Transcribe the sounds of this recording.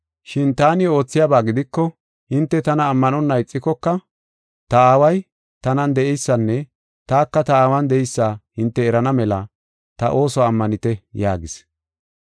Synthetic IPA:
ʃɪnt̪aːnɪo̞ːt͡sːɪjabaːɡɪd̪ɪkːɔ | hɪnt̪ːɛt̪ɐnɐːmːɐnɔnːɐjt͡sʼːɪkːɔkːɐ | t̪ɐaːwɐj | t̪ɐnɐnd̪ɛʔɛjsːɐnːɛ | t̪aːkːɐt̪ɐaːwɐnd̪ɛɛjsːaːhɪnt̪ːɛːɾɐnɐmɛlɐ | t̪ɐ̰ʔo̞ːsɔːmːɐnɪt̪ɛja̰ːɡɪs

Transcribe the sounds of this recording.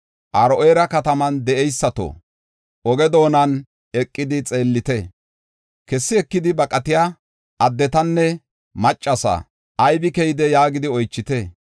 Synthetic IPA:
ʔɐɾɔʔeːɾɐkɐt̪ɐmɐnd̪ɛʔɛjsːɐt̪o̰ | ʔɔɡɛd̪o̞ːnɐn | ɛkʼːɪd̪ɪt͡sʼe̞ːlːɪt̪ɛ | kɛsːɪɛkːɪd̪ɪbɐkʼːɐt̪ɪja | ʔɐd̪ːɛt̪ɐnːɛ | mɐt͡ʃʼːɐsɐ̰ | ʔɐjbɪkɛjɪd̪ɛjaːɡɪd̪ɪɔjt͡ʃːɪt̪ɛ

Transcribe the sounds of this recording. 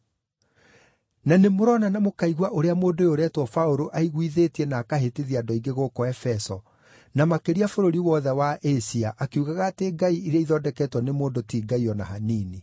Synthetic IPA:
nanemoɾɔnanamokaiɣwaʔoɾeamoːndojoɾɛtwɔfaoɾoʔaiɣwiðetiɛnaːkaɦeteðiadɔiŋɡeɣokɔɛfɛsɔ | namakeɾiafoɾoɾiwɔðɛwaʔesiaʔakeuɣaɣaːteɡaiiɾeaiðɔdɛkɛtwɔnemoːndotiːɡaiɔna̰ɦaniːni

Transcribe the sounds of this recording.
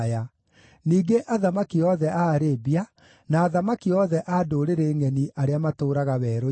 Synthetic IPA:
ja | niːɡeʔaðamakiɔðɛʔaɾebia | naːðamakiɔðɛʔadoːɾeɾeːŋɛniaɾeamatoːɾaɣaβɛːɾo

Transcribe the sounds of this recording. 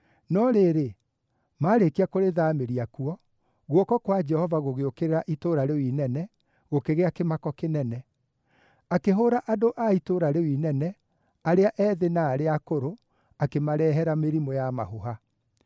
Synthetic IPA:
nɔɾeɾe | maːɾekiakoɾeðaːmeɾiakuɔ | ɣwɔkɔkwad͡ʒɛhɔvaɣoɣeokeɾeɾaʔitoɾaɾewinɛnɛ | ɣokeɣeakemakɔkenɛnɛ | akeɦoɾaʔadoʔaitoɾaɾewinɛnɛ | aɾeaʔɛðenaːɾeakoɾo | akemaɾɛːɦɛɾameɾimojama̰ɦoɦa

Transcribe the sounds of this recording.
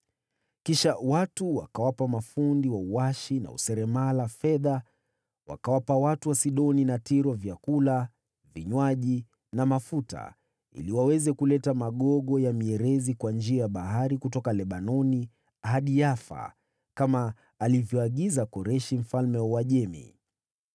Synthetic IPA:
kiʃawatuwa̰kawapamafundiwauwaʃina̰ṵsɛɾɛmalafɛða | wa̰kawapawatuwasiɗɔninatiɾɔvjakula | viɲwaʄi | namafuta̰ | ḭliwawɛzɛkulɛtamaɠɔɠɔjamiɛɾɛzikwand͡ʒiajaɓaɦaɾikutɔkalɛɓanɔni | aɦaɗijafa̰ | kamaː | livjɔaɠizakɔɾɛʃim̩falmɛwaʄɛmḭ

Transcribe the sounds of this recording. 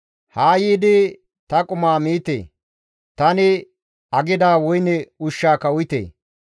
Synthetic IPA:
haːjiːd̪ɪ | t̪ɐkʼʊmaːmiːt̪ḛː | t̪ɐnɪ | ɐɡɪd̪aːwɔjnɛʊʃːaːkɐwʊjt̪ḛː

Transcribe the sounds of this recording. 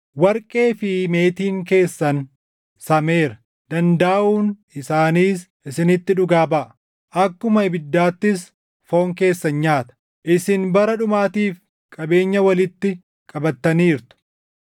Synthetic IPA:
wɐɾkʼe̞ːfɪme̞ːt̪iːŋke̞ːsːɐn | sɐme̞ːɾɐ | d̪̥ɐnd̪ɐːʔuːnɪsaːniːs | ɪsɪnɪt̪ːɪᶑʊɡaːbɐʔ | ʔɐkːʊmɐɪbɪd̪ːaːt̪ːɪs | fo̞ːŋke̞ːsːɐnɲaːt̪ɐ̥ | ʔɪsɪnbɐɾɐᶑʊmaːt̪iːf | kʼɐbe̞ːɲːɐwɐlɪt̪ːɪ | kʼɐbɐt̪ːɐniːɾt̪ʊ̥

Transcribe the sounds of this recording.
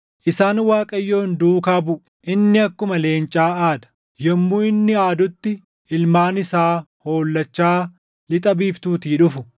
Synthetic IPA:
ʔɪsaːnwaːkʼɐjːo̞ːnd̪uːkabʊʔ | ʔɪnːɪɐkːʊmɐle̞ːnt͡ʃʼaːaːd̪ɐ̥ | jɐmːuːɪnːɪaːd̪ʊt̪ːɪ | ɪlmaːnɪsaː | ho̞ːlːɐt͡ʃːaː | lɪt̪ʼɐbiːft̪uːt̪iːᶑʊfʊ

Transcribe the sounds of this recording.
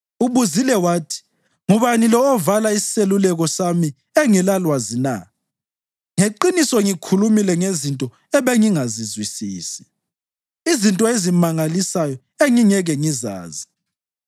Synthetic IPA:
uβuzilɛwaːtʰi̥ | ŋuβanilɔːvalaisi̥selulɛɣɔsami | eŋɛlalwazina̰ | ŋeǃinisɔŋikʰulumilɛŋezintʼɔ | ɛβeŋiŋazizwisiːsi̥ | izintʼɔezimaŋalisajɔ | eŋiŋɛɣɛŋiza̰ːzi

